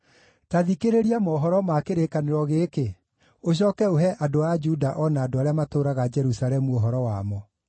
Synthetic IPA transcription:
taðikeɾeɾiamɔːɦɔɾɔmakeɾekaneɾɔɣeːke | oɕ̬ɔkɛoɦɛʔadoad͡ʒudaʔɔnaːdoaɾeamatoːɾaɣad͡ʒɛɾusaɾɛmuoɦɔɾɔwamɔ

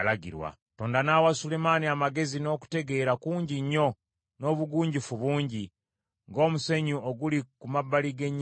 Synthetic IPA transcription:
laɡḭɾwa̰ | toːndanaːwasule̞maniamaɡe̞zino̞ːku̥te̞ɡe̞ːɾakuːɲɟiɲːo̞ | no̞βuɡuːɲɟifuβuːɲɟi | ŋɡo̞ːmuse̞ɲuoɡulikumabːaliɡe̞ɲː

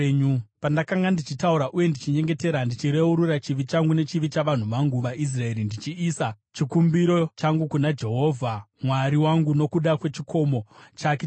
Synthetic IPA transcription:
ɲupandakaŋɡandit͡ʃitauɾaʔuje̞ndit͡ʃiɲe̞ŋɡe̞te̞ɾandit͡ʃiɾe̞uɾuɾat͡ʃiʋit͡ʃaŋɡune̞t͡ʃiʋit͡ʃaʋan̤uʋaŋɡuʋaʔis̬rae̞ɾindit͡ʃiːsa | t͡ʃikumbiɾo̞t͡ʃaŋɡukunad͡ʒe̞ɦo̞ːvʱamwaɾiwaŋɡuno̞kuɗakwe̞t͡ʃikʰo̞mo̞t͡ʃake

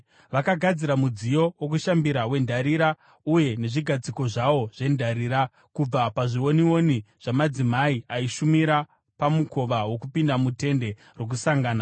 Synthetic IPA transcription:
ʋakaɡʱad͡ziɾamud͡zijo̞wokuʃambiɾawe̞ndaɾiɾa | uje̞ne̞ʐiɡʱad͡ziko̞ʐawo̞ʐ̥e̞ndʱaɾiːɾa | kub͡vapaʐiwo̞niwo̞niʐ̥amad͡zimaiaiʃumiɾa | pamukʰo̞ʋawo̞kupindamute̞nde̞ | ro̞k̬usaŋɡaːna

